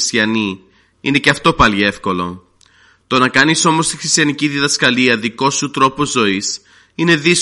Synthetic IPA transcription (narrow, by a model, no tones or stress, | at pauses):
st̪ɐni | ine̞ceɐft̪o̞pɐlie̞fko̞lo̞̰ | t̪o̞nɐkɐniso̞mo̞st̪ixɾist̪jɐniciðiðɐskɐliɐðiko̞sut̪ɾo̞po̞zo̞is | ine̞ðis